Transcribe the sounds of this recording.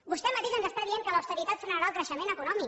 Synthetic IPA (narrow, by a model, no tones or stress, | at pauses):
bust̪ɛmət̪eʒənzəst̪aðieŋkələwst̪əɾit̪at̪səɾaɾakɾəʃəmenəkunɔmik